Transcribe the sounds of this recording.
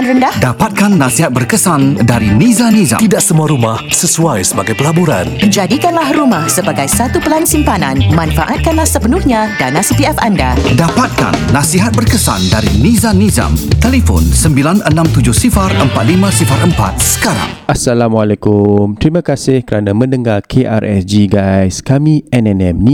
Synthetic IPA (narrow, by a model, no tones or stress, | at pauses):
anrəndahdapat̪̚kanːasiɦat̪̚bərkəsandaɾinizaniza̰t̪idaʔsəmuaɾumahsəsuajsəbaɡajpəlabuɾa̰nd͡ʒadikanlahrumahsəbaɡajsat̪upəlansimpananmanfaʔat̪̚kanlahsəpənuhɲãdanasipiɛfanda̰dapat̪̚ka̰nːasiɦat̪̚bərkəsa̰ndaɾinizaniza̰mt̪elefɔ̰nsəmbilanənãmt̪ud͡ʒʊhsifarəmpat̪̚limãsifaɾʔəmpa̰t̪̚sə̥kaɾa̰ŋasalamwalɛkʊmt̪ɾimãkasɪhkəɾanamə̃nəŋarkʰeʔa̰rʔɛ̰sd͡ʒiɡajskamĩɛnɛnɛmni